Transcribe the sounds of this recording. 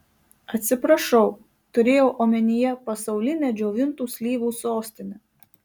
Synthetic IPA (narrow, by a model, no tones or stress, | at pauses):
ɐt̪ʲsʲɪpɾɐʃɒʊ | t̪ʊɾʲeːjoːʔoːmʲɛnʲɪjɛpɐsɒʊlʲɪnʲɛːd͡ʒʲoːʋʲɪnt̪uːsʲlʲiːʋuːsoːsʲt̪ʲɪnʲɛ